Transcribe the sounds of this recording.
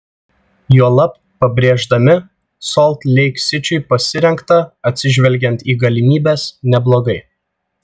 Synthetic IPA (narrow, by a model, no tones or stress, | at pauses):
juɔlˠɐp | pːɐbʲɾʲeːʒd̪ɐmʲɪ | sɔlˠt̪lʲɛɪksʲɪt͡ʃʲʊɪpɐsʲɪɾʲɛŋkt̪ɐɐt̪ʲsʲɪʒʲʋʲɛlʲɡʲɛnt̪iːɡɐlʲɪmʲiːbʲɛːsnʲɛblˠoːɡɐɪ